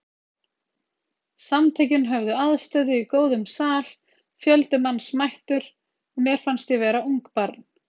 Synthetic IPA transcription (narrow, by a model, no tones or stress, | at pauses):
samt̪ʰejcɪnɦœvðʏaðst̪œðɪikoːwðʏmsaːl̥ | fjœlt̪ɪmanːsmajht̪ʏɾ | ɔmjɛɾ̥fanst̪jɛvɛːɾauŋkpaɾt̪n̥